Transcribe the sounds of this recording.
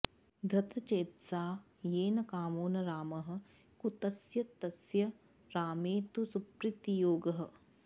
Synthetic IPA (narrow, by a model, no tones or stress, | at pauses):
d̪ɾɐt̪ɐt͡ʃeːt̪saː | jeːnɐkaːmoːnɐɾaːmɐɦɐ̆ | kut̪ɐsjɐt̪ɐsjɐ | ɾaːmeːt̪usupɾɪt̪ijoːɡɐɦɐ̆